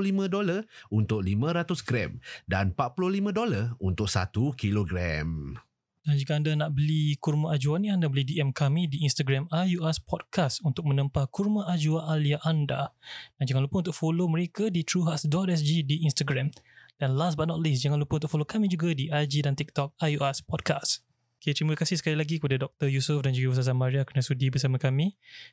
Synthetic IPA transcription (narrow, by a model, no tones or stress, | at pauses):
limə̃dolaunt̪ʊk̚limãɾat̪ʊsɡɾɛ̰mda̰npat̪̚pulolimə̃dolarunt̪ʊk̚sa̰t̪ukiloɡɾa̰m | d̥and͡ʒikaːndanaʔbəlikurmãʔad͡ʒuanĩandabəlidiɛmkamĩdiinst̪aɡɾamajuaspʰɔd̚kʰast̪unt̪ʊk̚mə̃nə̃mpakurmãʔad͡ʒuaʔaliaʔanda̰d̥and͡ʒaŋãnlupənunt̪ʊk̚foloməɾekadit̪ɾuɦasdɔt̪ɛs̬d͡ʒidiinst̪aɡɾamd̥anlasbat̚nɔt̪̚lis̬d͡ʒaŋãnlupənt̪ʊkfolokamĩd͡ʒuɡadiʔad͡ʒidant̪ik̚t̪ɔk̚ajuaspɔd̚kas | kit̪at̪ɾiməkasɪhsə̥kalilaɡikəpadadɔk̚t̪əjusəfdand͡ʒuɡaus̬as̬amaɾiakərnasudibəsamãkamĩ